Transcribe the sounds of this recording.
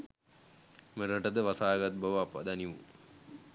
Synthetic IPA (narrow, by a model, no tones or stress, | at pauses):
məɾəʈəd̪əʋasaːɡat̪̚bəʋəapːa̰d̪aniʋṵ